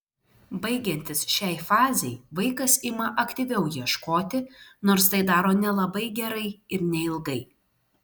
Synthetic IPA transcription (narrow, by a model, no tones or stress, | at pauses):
bɐɪɡʲɛnʲt̪ʲɪsʃʲɛɪfɑːzʲɛɪʋɐɪkɐsɪmɐʔɐkt̪ʲiʋʲɛʊjiɛʃkoːt̪ʲɪnoːɾst̪ɐɪd̪ɑːɾoːnʲɛlˠɐbɐɪɡʲɛɾɐɪɪɾnʲɛɪlˠɡɐɪ